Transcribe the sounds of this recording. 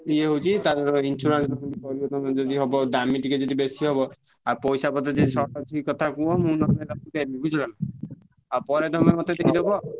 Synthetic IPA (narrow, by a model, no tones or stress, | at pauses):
ieɦowt͡ʃʰit̪ad͡ʒɔɾɔinsuɾansɔkʰɔʈipɔɾibɔt̪ɔnɔd͡ʒɔd̪iɦɔbɔd̪amiʈiked͡ʒɔd̪ibesiɦɔbɔ | apɔjsapɔt̪ɔd͡ʒesɔʈɔt͡ʃʰiikɔt̪ʰakuɔmũnɔmeɾɔkut̪ebibʱid͡ʒʰɔlana | apɔɾed̪ʱɔmemɔt̪ed̪ekid̪ebɔ